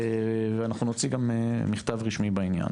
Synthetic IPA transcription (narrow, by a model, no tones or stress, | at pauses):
veanaχnunot͡siɡamemːiχt̪avʁiʃmibainja̰n